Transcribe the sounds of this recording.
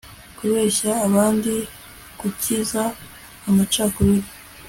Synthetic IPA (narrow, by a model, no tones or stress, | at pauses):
kuβe̞ːçaːβaːndi | kuciza | amat͡ʃaːkuɾiɾi